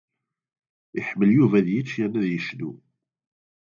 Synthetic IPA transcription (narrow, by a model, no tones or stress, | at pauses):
ɪħmːəljuvæðjit͡ʃːjænːæðjəʃnu